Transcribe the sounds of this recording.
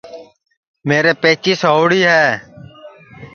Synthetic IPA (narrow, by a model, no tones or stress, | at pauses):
meːɾeːpeːt͡ʃiːsɦoːɽiːɦɛː